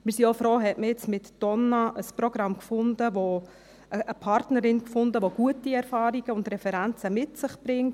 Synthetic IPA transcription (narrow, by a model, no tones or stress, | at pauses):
mɪɾsiofɾoːɦɛtməjɪt͡smɪtd̥ɔnɑʔəspɾoɡ̥ɾɑmkfʊndəʋo | ʔəʔəpʰɑɾtnəɾɪnkfʊndəʋoɡ̥uətiɛɾfɑːɾiɡ̥əʊndɾɛfɛɾænt͡səmɪtsɪχb̥ɾɪŋt